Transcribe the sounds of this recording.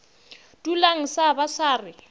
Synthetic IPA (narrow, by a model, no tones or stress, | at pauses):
tʼulaŋ̩sabasaːrɪ